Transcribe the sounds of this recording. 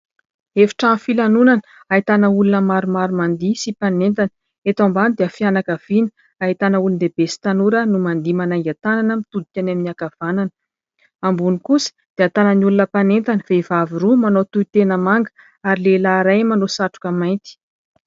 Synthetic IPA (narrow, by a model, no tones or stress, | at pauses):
efi̥ʈ͡ʂafilanunanə | ait̪anəulunəmaɾumaɾmand̪isipanent̪anə̥ | et̪ambanid̪eafianakav̥inə̥ | aɦit̪anəulund̪eb̥esi̥t̪anuɾənumand̪imanaŋɡʲat̪ananəmit̪ud̪ikʲanaminiakav̥ananə̥ | ambunikusi̥d̪̥eat̪anəniulunəpanent̪anəv̥eivaviɾumanot̪uit̪enəmaŋɡə̥ | aɾilelaɾajmanosaʈ͡ʂu̥kamajnt̪i̥